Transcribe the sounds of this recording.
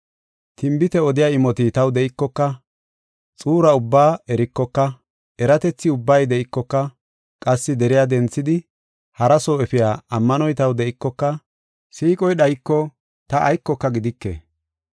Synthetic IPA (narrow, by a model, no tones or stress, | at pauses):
t̪ɪmbɪt̪ɛɔd̪ɪjaːɪmɔt̪ɪt̪ɐwd̪ɛʔɪkːɔkːɐ | t͡sʼuːɾɐʊbːaːɛɾɪkːɔkːɐ | ɛɾɐt̪ɛt͡sːɪʊbːɐjd̪ɛɪkːɔkːɐ | kʼɐsːɪd̪ɛɾɪjad̪ɛnt͡sːɪd̪ɪ | hɐɾɐsoːɛfɪjaːɐmːɐnɔjt̪ɐwd̪ɛɪkːɔkːɐ | siːkʼɔjɗɐjkːɔ | t̪ɐʔɐjkːɔkːɐɡɪd̪ɪkːḛː